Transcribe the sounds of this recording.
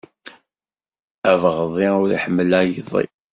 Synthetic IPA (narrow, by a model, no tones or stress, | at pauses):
ævʁəðˤiʊɾḭħəmːəlæjðˤḭ